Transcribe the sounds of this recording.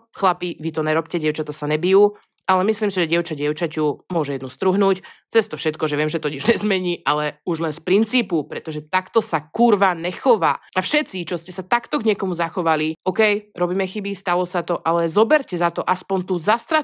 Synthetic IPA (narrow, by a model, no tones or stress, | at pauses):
xlapiʋit̪ɔnɛɾɔpcɛɟɛʊt͡ʃat̪asaɲɛbijuː | alɛmisliːmsiʒɛɟɪɛʊt͡ʃaɟɪɛʊt͡ʃacumʊɔʒɛjɛd̪nust̪ɾuɦnuːct͡sɛst̪ɔfʃɛt̪kɔʒɛʋɪɛmʒɛt̪ɔciʒɲɛzmɛɲiːʔalɛuʒlɛnspɾint͡siːpupɾɛt̪ɔʒɛt̪akt̪ɔsakuɾʋanɛxɔʋa̰ːafʃɛt̪t͡sit͡ʃɔscɛsat̪akt̪ɔɡɲɪɛkɔmuzaxɔʋaliɔkɛjɾɔbiːmɛxibist̪alˠɔsat̪ɔʔalɛzɔbɛɾcɛzat̪ɔʔaspɔnt̪uzast̪ɾa